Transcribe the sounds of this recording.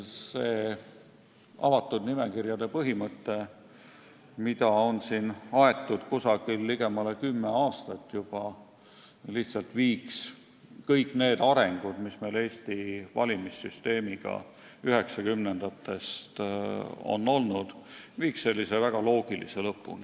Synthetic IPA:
se̞ː | ɑ̰vɑt̪ːˑud̪̥nime̞kirjɑd̪e̞pɤɦimɤt̪ːe̞ | mit̪ɑo̞nsinɑe̞t̪ːˑud̪̥kusɑɡ̥ilːiɡe̞mɑle̞kymːe̞ɑːst̪ɑt̪ːˑjub̥ɑ | liht̪sɑlt̪viːks | kɤjkːˑne̞ːd̪ɑɾe̞ŋɡ̥ud̪̥misme̞jle̞ːst̪ivɑ̰lʲimisːyst̪e̞ːmiɡ̥ɑ̰ | yɦe̞ksɑkymnend̪̥ɑt̪ːˑe̞st̪ | o̞̰nːo̞lnud̪̥viːkse̞lʲːisevæɡ̥ɑlo̞ːɡ̥ilḭse̞lɤpːˑṵn

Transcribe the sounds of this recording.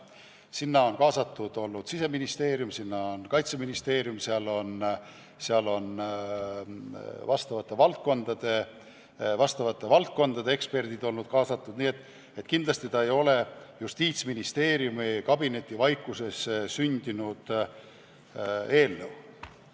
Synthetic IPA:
sinːɑo̞nkɑːsɑt̪ːˑud̪̥o̞lnːud̪̥sise̞minist̪e̞ːɾjumsinːɑonkɑjt̪seminist̪e̞ːɾjumseɑlo̞n | seɑlo̞n | vɑst̪ɑvɑt̪ːˑe̞vɑlt̪̚ko̞nd̪̥ɑd̪̥e̞ | vɑst̪ɑvɑt̪ːˑe̞vɑlt̪̚ko̞nd̪̥ɑd̪eekspe̞rd̪̥id̪o̞lnud̪̥̚kɑːsɑt̪ːˑud̪niːet̪ːˑ | et̪kind̪lɑst̪it̪ɑejo̞le̞just̪iːt̪sminist̪e̞ːɾjumikɑb̥ine̞t̪ˑːivɑjkːˑuse̞ssynʲd̪̥inud̪̥ | e̞ːlːew

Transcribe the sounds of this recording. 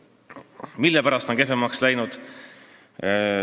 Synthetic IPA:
milːepæɾɑst̪oŋke̞femɑkslæjnud̪̥

